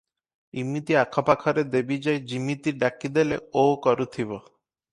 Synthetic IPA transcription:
imːit̪iakʰɔpakʰɔɾed̪ebid͡ʒajd͡ʒimit̪iɾɖakid̪eleokɔɾut̪ʰibɔ

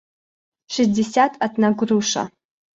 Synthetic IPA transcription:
ʂɨsdesʲatʰatʰnaɡʷruʂa̰

